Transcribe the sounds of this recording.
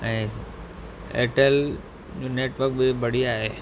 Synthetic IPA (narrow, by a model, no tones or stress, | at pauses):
ɛ̃ː | ḛːʈəl | d͡ʑõːneːʈʋəɾk̚bɪbɐɽiaːɦeː